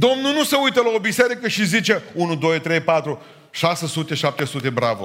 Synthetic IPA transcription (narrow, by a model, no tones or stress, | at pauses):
d̪o̞mnunuseujt̪əlao̞biseɾikəʃizit͡ʃe̞unud̪o̞jt̪ɾe̞jpat̪ɾu | ʃasesut̪e̞ʃap̚t̪e̞sut̪e̞bɾavo